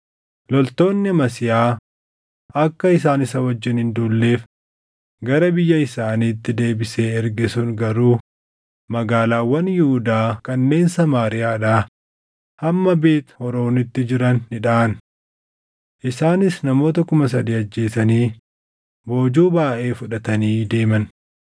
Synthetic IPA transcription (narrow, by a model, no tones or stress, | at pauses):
lɔlt̪o̞ːnːɪmɐsɪjaː | ɐkːɐɪs̬aːnɪsɐwɐd͡ʒːɪnhɪnd̪uːlːeːf | ɡɐɾɐbɪjːɐɪsaːniːt̪ːɪd̪e̞ːbɪse̞ːɛɾɡɪsʊŋɡɐɾuː | mɐɡaːlaːwːɐnjɪhʊd̪aːkɐnːe̞ːnsɐmaːɾɪjaːᶑaː | hɐmːɐbe̞ːt̪hɔɾo̞ːnɪt̪ːɪd͡ʒɪɾɐnːɪᶑaːɐn | ʔɪsaːnɪsnɐmo̞ːt̪ɐkʊmɐs̬ɐd̪iːɐd͡ʒːe̞ːsɐniː | bo̞ːd͡ʒuːbaːʔe̞ːfʊᶑɐt̪ɐniːd̪e̞ːmɐn